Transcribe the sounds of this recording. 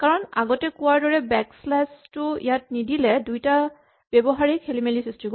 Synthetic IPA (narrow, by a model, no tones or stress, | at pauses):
kaɹɔna̰ɡɔtɛkuwaɹdɔɹɛbɛkslastʊḭjat̚nidilɛdujta | bɛbɔɦaɹikʰelimelisɹistik